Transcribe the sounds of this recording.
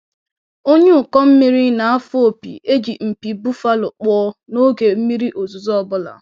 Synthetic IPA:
o˦ɲe˦ʊ˨kɔ˦m̩˦mi˦ɾi˦na˨a˦fo˦o˨pḭ˨ʔe˦d͡ʒi˨m̩˨pi˨bu˦fa˦lʊ˨k͡pɔː˦no˦ɡe˨m̩˦mi˦ɾi˦ʔo˨zu˨zɔ˦˨bʊ˦la̰˨

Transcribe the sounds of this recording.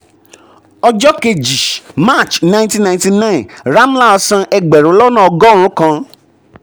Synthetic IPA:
ɔ˧d͡ʒɔ˦ke˧d͡ʒi˨ma˦˨t͡ʃnã˧˨ntĩ˦nã˧˨ti˧nã˦˨ɾa˦m˦la˦ɔ˧sã˧ʔɛ˧ɡ͡bɛ˨ɾo˨˦lɔ˦nã˦˨ɔ˧ɡɔ˦ɾ̃ũ˦kã˧

